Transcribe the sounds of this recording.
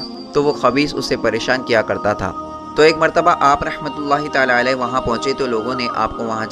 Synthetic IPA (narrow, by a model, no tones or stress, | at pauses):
t̪oʋoxɐbiːsʊ̰sːepɐɾeːʃaːnkijakɐɾt̪at̪ʰa̰ː | t̪oeːkmɐɾt̪əbaʔaːpɾɐhmət̪ʊlːaːɦit̪aːlaəlɛʋɐɦãpɐ̃ɦʊ̃t͡ʃet̪oloːɡõneʔa̰ːp̚koʋɐɦã